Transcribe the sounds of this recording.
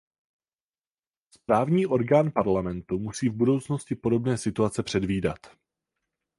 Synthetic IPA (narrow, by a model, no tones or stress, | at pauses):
spɾaːvɲiːʔo̞ɾɡaːnpaɾlamɛnt̪umusiːvbudo̞wt͡sno̞scɪpo̞do̞bnɛːsɪt̪uat͡sɛpr̝̥ɛdviːdat̪